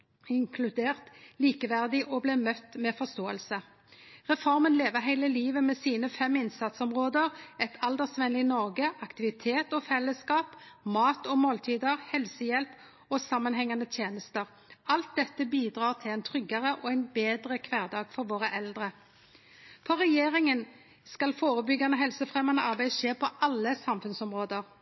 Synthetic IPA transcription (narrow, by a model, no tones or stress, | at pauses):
ɪŋkʰlʉd̪eːʁt̪liːkəʋæʁd̪ɪʔɔblɛːmœt̪ːmeːfɔʁst̪oːəlsə | ʁɛfɔʁmənleːʋəʁɦæɪləliːʋəmɛːsiːnəfɛmɪnsɑt̪sɔmʁoːd̪əʁɛt̪ʰɑld̪ɛsʋɛnlɪnɔʁɡəʔɑkt̪ɪʋɪt̪ʰeːt̪ɔfɛlːəskɑːpmɑːt̪ɔːmoːlt̪ʰiːd̪əʁhɛlsəjɛlp | ɔsɑmːɑnɦɛŋːɑnət̪ʰjeːnəst̪əʁ | ɑlt̪̚d̪ɛt̪ːəbiːd̪ʁɑːʁt̪ʰɪlæɪnt̪ʰɾʏɡɑʁəʔɔæɪnbeːd̪ʁəkʰʋæːʁd̪ɑːɡfɔɾʋoːʁəʔɛld̪ʁə | pʰɔʁɛjeːʁɪŋən | skɑlfoːʁəbʏɡːɑnəɦɛlsəfʁɛmɑnəʔɑʁbæɪʃeːpʰɔʔɑlːəsɑmfʉnsɔmʁoːd̪əʁ